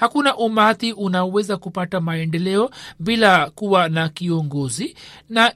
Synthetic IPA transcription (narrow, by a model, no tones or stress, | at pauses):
hakunaʔumat̪iʔunaɔwɛzakupatamaɛndɛlɛɔbilakuwanakiɔŋɡɔzina